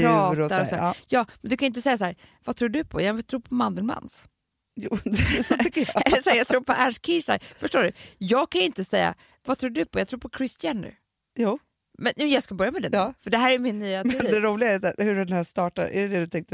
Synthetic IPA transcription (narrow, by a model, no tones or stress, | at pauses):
ɑːt̪aɾɔsɔd̪æjɑːmɛnd̪ɵkʰanʏɪnt̪əsɛjːasahæːɾ | vat̪ʰɾuːɖɵpʰɔjɑɛt̪ʰɾuːpʰɔmand̪əlma̰ns | juːsɔt̪ʏkːəɛlːɛsæɾjɑt̪ʰɾuːɾpʰɔʔæʂkʰɪsaæ̰ɾfœʂʈoːɖɵjɑːɡ̚kʰanʏɪnt̪əsɛjːa̰ | vat̪ʰɾuːɖɵpʰɔjɑɡt̪ʰɾuːɾpʰɔkʰɾɪst̪janːʉ̰ | juː | mɛnɛmjɑːɡskabœɾjamɛd̪ɛnːfœɖɛɦæːɾæjmɪnːyːaɛnd̪ɛɾuːlɪɡaɛjsæːɾhɵɖɛnhæːʂt̪ɑːʈa̰ɾʔæ̰ɾɛd̪ɛd̪ɵt̪ʰɛŋk̚t̪ə